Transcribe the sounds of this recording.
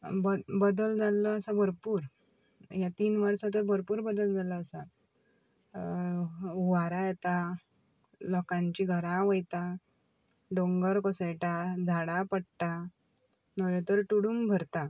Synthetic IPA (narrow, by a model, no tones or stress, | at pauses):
bəbəd̪əld͡zalːɔəsabəɾpuːɾ | jat̪iːnʋəɾsat̪əɾbʱəɾpuːɾbəd̪əld͡zalɔːsa | uʋaɾajɛt̪a | lɔkãɲt͡ɕiɡʱəɾãʋəjt̪a | ɖoŋɡəɾkɔsejʈad͡z̪ʱaɽapəɽt̪a | nəɭet̪əɾʈuɽuːmbʱəɾt̪a